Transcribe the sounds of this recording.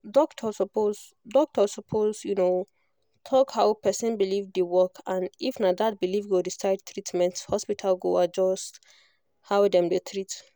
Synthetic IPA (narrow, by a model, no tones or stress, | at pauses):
dɔktʰɔsɔpoz | dɔk̚tʰɔsɔpʰozjuno | tʰɔkhaʊpʰɛsə̃nbilivdewɔkʰãnifnadat̚bilivɡodisaɪd̚tʰɹitmɛ̃nthɔspitʰalɡoad͡ʒɔst | hawdɛ̃mdətʰɹit